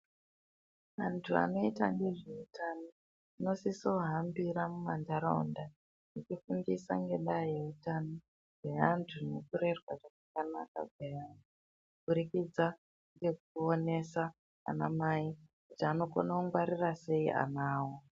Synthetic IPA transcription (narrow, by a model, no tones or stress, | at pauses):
antʰua̰no̞itaŋɡe̞ʐeutano | ino̞siso̞ɦambiɾamumandaɾonda | it͡ʃifundisa̰ŋɡe̞ɗaejeutano | ɡe̞antʰunekure̞rwaʐakakana̰ka̰ɡwejantu | buɾikid͡za | ŋɡe̞k̚uone̞sa | a̰namaikut͡ʃaaːno̞ko̰nakuŋɡwaɾirase̞iʔa̰naːwo